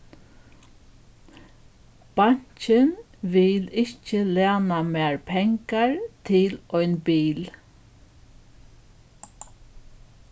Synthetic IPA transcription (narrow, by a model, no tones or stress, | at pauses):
b̥aɲ̥t͡ʃən | ʋɪlɪcəleːnameːɹpʰɛŋkaɹt̪ʰɪlɔʏnbiːl